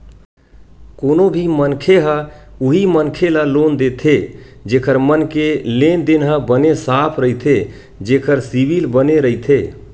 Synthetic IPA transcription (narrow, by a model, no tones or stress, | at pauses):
konobʱimənkʰeɦəuɦimənkʰelalond̪et̪ʰe | d͡ʒekʰəɾmənkelend̪inɦə̃bənesapʰɾəɦit̪ʰe | d͡ʒekʰəɾsibilbəneɾəɦit̪ʰe